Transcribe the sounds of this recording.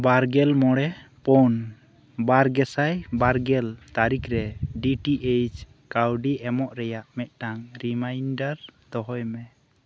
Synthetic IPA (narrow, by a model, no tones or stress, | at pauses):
baɾɡɛlmɔɽɛpɔn | baɾɡɛsajbaɾɡɛlt̪aɾikʰɾɛɖiʈiʔejt͡ʃ | kawɖiʔɛmɔʔɾɛjaʔmɛt̪̚ˀʈaŋɾimajnɖaɾd̪̥ɔɦɔjmɛ